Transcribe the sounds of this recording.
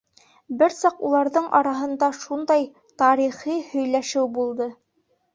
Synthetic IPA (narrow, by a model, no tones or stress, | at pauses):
bɘɾsɑqulˠɑɾðɤɴʔɑɾɑɦɤ̆nd̪ɑʃund̪ɑj | t̪ɑɾiχihɵ̆jlæʃɘwbulˠd̪ɤ